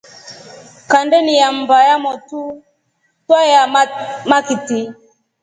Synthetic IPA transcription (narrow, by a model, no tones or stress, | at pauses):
kandɛnijam̩bajamɔtu | twajamakiti